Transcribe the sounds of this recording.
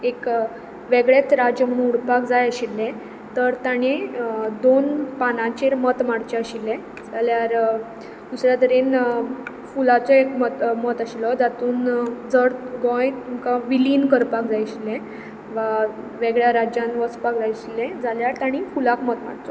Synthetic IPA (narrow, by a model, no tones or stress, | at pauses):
ek | ʋeɡɭjet͡sɾad͡ʑəm̤əɽ̃ũnuɽpakd͡zajəɕilːɛ̃ | t̪əɾt̪aɽ̃ed̪onpanãt͡ɕeɾmət̪maɽt͡ɕɛəɕilːɛ̃ | d͡zaljaɾ | d̪usɾjat̪əɾen | fulat͡sɔekmət̪mət̪aɕilɔd͡zat̪uːnd͡zəɽɡɔ̃jt̪umkaʋiliːnkəɾpakd͡zajɕilːɛ̃ | ʋa | ʋeɡɭjaɾad͡ʑjãnʋəspakd͡zajəɕilːɛ̃d͡zaljaɾt̪aɽ̃ifulakmət̪ma̰ɽt͡sɔ